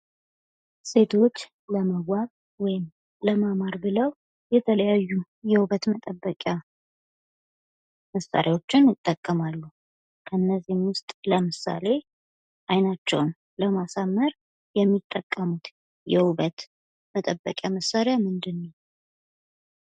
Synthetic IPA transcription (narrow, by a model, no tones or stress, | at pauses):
se̞t̪ʰo̞t͡ʃː | ləməɡʷwaβ | wɔjɪm | ləmamaɾbɨləw | jɛt̪ʰələjajːu | jɛhuβət̪mət̪ʼəbːəkʼja | məsːa̰ɾʔjawo̞t͡ʃːɪnjɨt̪ʼːəkʼːəmalːu | kʰəɨnːəzimwʊst̪ʼləmɨsa̰le̞ | ʔajnat͡ʃːɛ̰wn | ləmasamːəɾ | jɛmːit̪ʼːəkʼːəmut̪ | jɛhuβət̪ | mət̪ʼəbːəkʼjaməsːaɾejamɨnd̪ɨnːəw